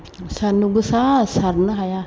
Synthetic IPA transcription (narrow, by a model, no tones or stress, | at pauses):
sanuɡusasarnaɦaja